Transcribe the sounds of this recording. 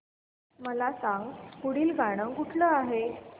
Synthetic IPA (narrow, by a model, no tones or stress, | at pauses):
məlasãŋɡkuɽ̤iːlɡaɽ̃əkuʈʰləaɦe